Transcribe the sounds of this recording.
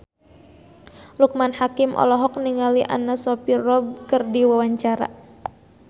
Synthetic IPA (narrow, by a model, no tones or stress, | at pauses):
luk̚manhakimʔɔ̰lɔɦɔk̚niŋaliʔa̰nasɔpirɔb̚kərdiwawaɲt͡ʃaɾa̰